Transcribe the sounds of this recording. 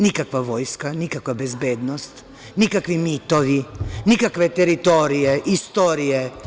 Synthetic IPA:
nikakʋaʋo̞jskanikakʋabezbeːd̪nost̪ | nikakʋimit̪oʋinikakʋet̪eɾit̪oːɾijeʔist̪oɾije

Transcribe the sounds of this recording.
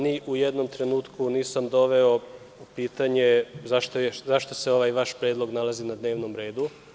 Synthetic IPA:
niʔujed̪no̞mt̪ɾe̞nuːt̪kʰuniːsamd̪o̞ʋeo | upiːt̪aɲe̞zaʃt̪ozaʃt̪oseo̞ʋaːjʋaʃpɾeːd̪lˠo̞ɡnalˠazinad̪ne̞ːʋnomɾe̞ːd̪u

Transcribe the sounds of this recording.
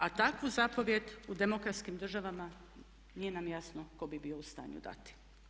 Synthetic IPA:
at̪akʋuzapo̞ʋje̞d̪ud̪e̞mokɾat̪skimd̪r̩ʒaʋama | nije̞namjasnoko̞bibio̞ust̪a̰ːɲṵd̪a̰t̪i̥

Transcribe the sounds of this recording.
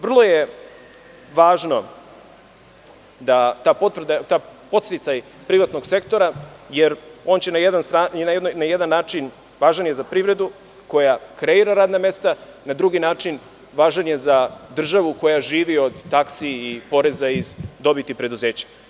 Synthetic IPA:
ʋr̩lˠo̞je | ʋaːʒno̞ | d̪at̪apot̪ʋrd̪at̪apo̞t̪st̪it̪saj | pɾiʋat̪no̞ɡse̞kt̪o̞ɾajeɾo̞ːnt͡ɕenajed̪anst̪ɾaaonajed̪anːaːt͡ʂin | ʋaːʒanjezapɾiʋɾe̞d̪u | ko̞jakɾeiɾaɾaːd̪name̞st̪a | nad̪ɾuɡinaːt͡ʂin | ʋaːʒanjezad̪r̩ʒaʋuko̞jaʒiːʋio̞d̪t̪aksiːpo̞ɾe̞zaizd̪o̞bit̪ipɾe̞d̪uze̞ːt͡ɕḁ

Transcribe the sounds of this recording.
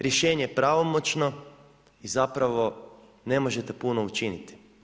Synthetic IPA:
ɾje̞ʃe̞ːɲejepɾaʋo̞mot͡ʃno̞ | izapɾaʋo̞ | ne̞mo̞ʒet̪e̞puno̞ut͡ʃinit̪i̥

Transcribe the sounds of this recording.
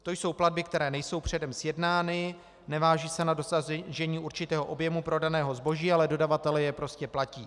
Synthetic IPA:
t̪o̞jso̞wplad̚bɪk̚t̪ɛɾɛːnɛjso̞wpr̝̥ɛdɛmsjɛdnaːnɪ | nɛvaːʒiːsɛnado̞saʒɛɲiːʔuɾt͡ʃɪt̪ɛːɦo̞ʔobjɛmupɾo̞danɛːɦo̞zbo̞ʒiːalɛdo̞davat̪ɛlɛjɛpɾo̞scɛplaciː

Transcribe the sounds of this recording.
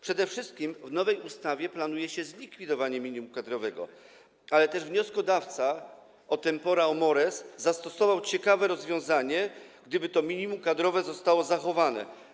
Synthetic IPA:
pʂɛd̪ɛfʂɘst̪̚kʲimvn̪ɔvɛjust̪avʲjɛplanujɛɕɛzlʲikfʲid̪ɔvaɲɛmʲiɲimukad̪ɾɔvɛɡɔ̰ | alɛt̪ɛʐvɲɔskɔd̪aft̪sa | ɔt̪ɛmpɔɾaɔmɔɾɛsːast̪ɔsɔvawt͡ɕɛkavɛɾɔzvʲjɔ̃w̃zaɲɛɡd̪ɘbɘt̪ɔmʲiɲimumkad̪ɾɔvɛzɔst̪awɔzaxɔvanɛ̰

